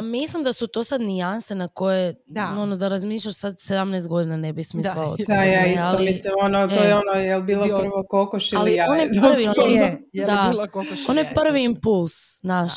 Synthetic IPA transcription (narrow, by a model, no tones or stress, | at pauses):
mislˠimd̪asut̪o̞ːsad̪nijansenako̞je | onod̪aɾazmiːʃlʎaʃsad̪sed̪amneːst̪ɡo̞d̪inanebismislˠaoo̰t̪ajaːistalomislimonot̪oːjɛonojɛlbiːlˠopr̩ʋokokoʃialiijaonjeʋiod̪aoonjeprɾ̩ʋiimpulˠz̥naːʃ